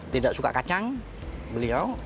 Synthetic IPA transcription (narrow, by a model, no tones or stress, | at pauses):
t̪idaʔsuka̰kat͡ʃaŋ | bəliaw